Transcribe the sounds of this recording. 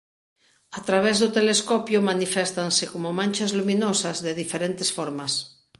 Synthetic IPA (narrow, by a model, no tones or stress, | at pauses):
at̪ɾaβ̞ezðot̪eleskopjomanifɛst̪ansekomomãnʲt͡ʃazlumĩnosazðeðifeɾent̪esfoɾmas